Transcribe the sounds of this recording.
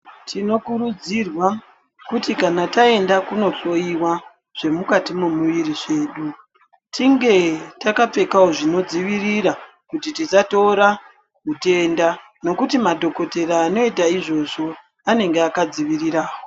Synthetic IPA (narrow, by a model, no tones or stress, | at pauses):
tʰino̞kuɾud͡zirwa | kutikanatae̞ndakuno̞ɬo̞iwa | ʐ̥e̞mukatimumuʋiɾiʐe̞ːɗu | tʰiŋɡe̞takap͡fe̞kaoʐino̞d͡ziʋiriɾa | kutitisatoɾa | kute̞nda | no̞kutimadʱo̞ko̞te̞ɾaːno̞itaiʐo̞ʐo̞ | ane̞ŋɡeakad͡ziʋiriɾaːwo